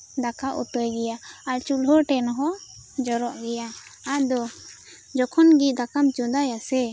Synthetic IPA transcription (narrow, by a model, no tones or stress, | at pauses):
d̪akaʔṵʈɔjɡɛjaaɾt͡ʃulɦɔʈɛnɦɔ | d͡ʒɔɾɔʔɡɛja | ad̪ɔ | d͡ʒɔkʰɔnɡid̪akamt͡ʃɔ̃d̪ajasɛ